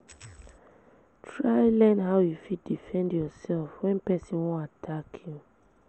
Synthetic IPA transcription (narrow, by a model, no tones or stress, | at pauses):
tʰɹaɪlɛnɦaʊjufit̚difɛ̃ndjɔsɛlfwɛ̃npɛsĩnwɔ̃natʰakʰju